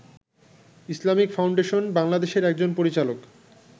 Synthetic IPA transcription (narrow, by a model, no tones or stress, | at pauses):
islamikfawɳɖeʃonbaŋlad̪eʃeɾɛk̚d͡ʑonpoɾit͡ɕalok